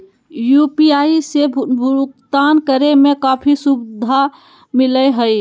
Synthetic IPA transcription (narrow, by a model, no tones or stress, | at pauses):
jupiaːisebʱʊɾukt̪aːnkəɾemẽkaːpʰisubd̪ʱa | mɪləɦəi